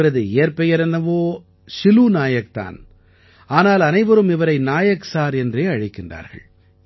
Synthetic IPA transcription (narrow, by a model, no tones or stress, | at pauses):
ɯɾɐðɯeːɾpɛjɐɾɛnd̪ɐʋoː | sɪluːnaːjɐk̚t̪a̰ːn | aːnaːlɐnɐɪʋɐɾɯmɪʋɐɾɐɪnaːjɐksaːɾɛndreːɐɻɪkːɪndra̰ːɾɣɐ̰ɭ